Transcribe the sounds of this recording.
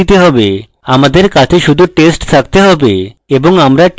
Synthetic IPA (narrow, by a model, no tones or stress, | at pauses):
it̪eɦɔbe | amad̪eɾkat͡ɕʰeʃud̪ʱuʈesʈt̪ʰak̚t̪eɦɔbḛeboŋamɾaʈ